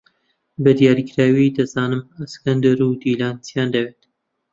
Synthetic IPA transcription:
bɨd̪ijaːɾikɾaːwid̪ɐzaːnɨmɐskɐnd̪ɐɾuːd̪iːlaːnt͡sjaːnd̪ɐweːt̪

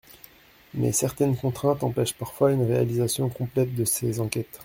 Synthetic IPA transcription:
mɛ̰sɛʁt̪ɛnkɔ̃t̪χɛ̃t̪ɑ̃pɛʃpaʁfwaynʁealizasjɔ̃kɔ̃plɛt̪̚d̪əsezɑ̃kʲɛt̪

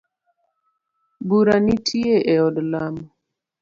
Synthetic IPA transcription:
buɾanitʰieʔɛɔdlamɔ

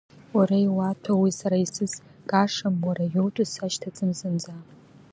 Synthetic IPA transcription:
waɾejwatʷʰawisaɾaisɨs | ɡ̥ʼaʂamwaɾajowtʼʊsaʃtʰat͡sʼɨmzɨnd͡za

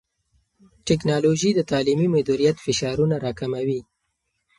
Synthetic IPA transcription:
ʈɛknɑloʒid̪ət̪ɑlimimad̪uɾijat̪fɪʃɑɾunaɾɑkamawi

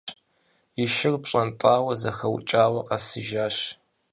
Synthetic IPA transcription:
jɪʃɪrpɕʼɐntʼaːwɐzɐxɐw̰t͡ʃʼaːwɐqɐsɨʒaːɕ

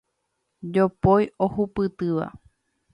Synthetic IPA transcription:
d͡ʒopojohupɨt̪ɨʋa̰

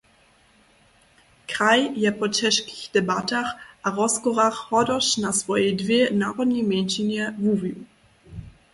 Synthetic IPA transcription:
kʁajjɛpɔt͡ʃɛʃki̥xd̥ɛbataxʔaʁɔskɔʁaxhɔdɔʃnasv̥ɔjɛdvʲjenaːʁɔdɲimʲjɛnʃinɛvuviw

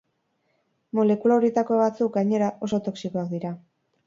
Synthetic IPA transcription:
mo̞le̞kulaoɾie̞t̪ako̞βat͡suk̚ɡajɲe̞ɾaʔo̞so̞t̪o̞ksiko̞ak̚d̪iɾa

